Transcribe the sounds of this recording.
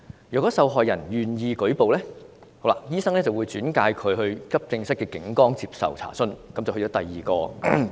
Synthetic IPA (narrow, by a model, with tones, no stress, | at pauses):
jyː˨kɔː˨˥sɐ˧wɦɔː˨jːɐ˨˩njyː˨˩njiː˨˧kɵ˨˥ɥpo˨wlɛː˥ho˨˧˥wlaː˧jiː˥sɐ˥ŋlɛː˥t͡sɐ˨wuː˨˧jt͡syː˨˥nkaː˧jkʰɵ˨˧ɥɦɵ˧ɥkɐ˥p̚t͡sɪ˧ŋsɐ˥t̚kɛː˧kɪ˨˥ŋkɔː˥ŋt͡siː˧psɐ̰˨wt͡sʰa̰ː˨˩sɵ˥nkɐ˨˥mt͡sɐ˨ht͡sɔː˨˦˥t̪ɐ˨˩jːiː˨kɔː˧